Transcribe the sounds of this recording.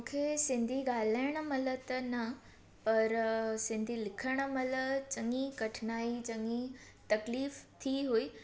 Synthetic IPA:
mũːkʰesɪ̃nd̪ʱiɡaːl̤aːəɽ̃ə̆mɐlə̆t̪ənɐ | pɐɾsɪ̃nd̪ʱilɪkʰəɽ̃ə̆mɐlət͡ɕɐŋɡiɡɐʈʰɪnaːit͡ɕɐŋɡi | t̪ɐkliːft̪ʰiɦuiː

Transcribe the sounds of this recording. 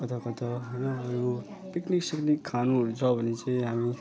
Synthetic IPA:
kʌt̪ʰʌkʌt̪ʰʌɦojnʌːɾu | pikniksiknikʰːanuɾut͡sʰʌbʱʌnet͡saĩɦami

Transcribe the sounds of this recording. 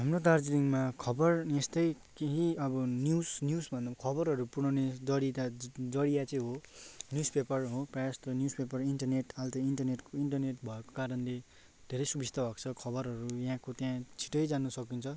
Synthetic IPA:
ɦamrot̪ard͡ziɾiŋmakʰʌbʌrnest̪ʌj | keɦiʌbʌnjusnjusbʱʌnd̪akʰʌbʌɾɦʌɾupuɽ̃ʌned͡zʌɽit̪ad͡zʌɽiat͡sʌĩɦonjuspepʌrɦoprʌjast̪onjuspepʌriɳʈʌrneʈalt̪ʌiɳʈʌrneʈkoiɳʈʌrneʈbʱʌeko̥kaɾʌnle | d̪ʱeɾʌjsubʱist̪ʌbʱʌkt͡sʰʌkʰʌbʌɾɦʌɾujaɦãkot̪jãt͡sʰi̥ʈʌjd͡zanusʌkint͡sʰʌ

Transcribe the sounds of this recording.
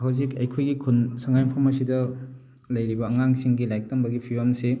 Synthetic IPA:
hɐwzikɐjkʰojɡikʰunsɐŋajmpʰɐmɐsidɐ | lɐjɾibɐːŋaŋsiŋɡilajk̚tɐmbɐɡipʰiwamse

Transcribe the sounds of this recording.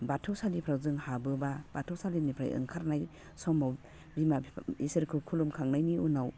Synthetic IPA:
batʰɯwsalipʰɾawzɯŋhabɯbab̥atʰawsalinipʰɾa̰jɯ̰ŋkʰaɾnaj | sɔmaw | bimaisɯɾkʰɯkʰulumkʰaŋnajniunaw

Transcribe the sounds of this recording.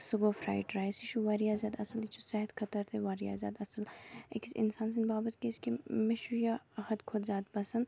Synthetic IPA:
suɡoːfɾa̰ːjʈɾaːjsiʃuʋaːɾijaːzʲjaːd̪ɐsɐlit͡ʃʰusɛɦt̪kʰɐt̪ɐɾt̪ʰeʋaːɾija̰ːzʲja̰ːd̪ɐsɐlḛksɪ̰nsaːns̬inbaːbɐt̪keskimeʃujaɐhɐd̪kʰoːd̪zʲjaːd̪pɐsɐn

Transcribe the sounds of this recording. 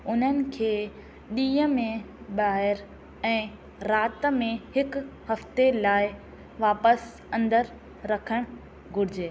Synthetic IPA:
ʊn̤ənɪ̆kʰeː | ɗĩːɦəmẽ | ɓaːɦɪɾ | ɛ̃ː | ɾaːt̪mẽhɪkhɐft̪elaːɪ | ʋaːpəs | ɐ̃nd̪əɾ | ɾɐkʰəɽ̃ | ɡʱʊɾɪd͡ʑeː

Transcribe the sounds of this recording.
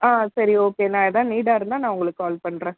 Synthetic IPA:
aːsɐɾioːkeːnãːɛðãːniːɽaːɪɾɯnd̪aːnãːʊŋɡɐɭɯkːaːlpɐɳːɾẽː

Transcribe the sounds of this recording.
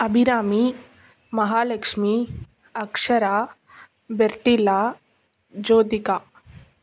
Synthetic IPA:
ɐbʱiɾaːmi | mɐɦaːlɐkʂmi | ɐkʂɐɾaː | beɾʈilaː | d͡ʒoːd̪ikaː

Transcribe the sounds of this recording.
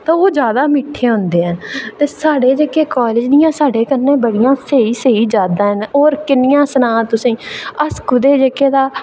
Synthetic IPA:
t̪ãːoːd͡ʒjaːd̪aːmɪːʈʰːeːɦʊ̃nd̪eːɛ̃ːt̪eːsaːɽeːd͡ʒekeːkaːlɪːd͡ʒd̪ɪjãːsaːɖeːkəɾnẽːbəɽɪjãːseːiːseːiːd͡ʒaːd̪ãːɦɛnoːɾkɪnɪjãːsənãːt̪ʊsĩːəskʊd̪eːd͡ʒekeːd̪aː

